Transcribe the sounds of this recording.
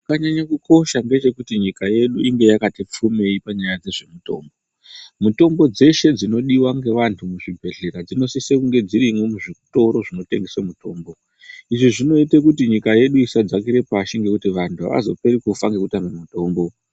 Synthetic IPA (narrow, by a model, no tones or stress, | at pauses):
kaɲaɲakuko̞ʃaŋɡe̞t͡ʃe̞kutiɲikaje̞ɗuʔiŋɡe̞jakatip͡fume̞ipaɲajad͡ze̞ʐe̞muto̞̰ːmbo | muto̞mbo̞d͡ze̞ʃe̞d͡zino̞ɗiwaŋɡe̞ʋantʰumuʐibʱe̞ɮe̞ɾad͡zino̞sisekuŋɡe̞d͡ziɾimwemuʐiku̥to̞ɾo̞ʐino̞te̞̰ŋɡesamuto̞ːmbo̞ | iʐiʐino̞itekutiɲikaje̞ɗuisad͡zakiɾe̞paʃiŋɡe̞kutiʋantʰua̰ʋa̰zo̞̰pe̞ɾikufaŋɡe̞kutamemuto̞ːmbo̞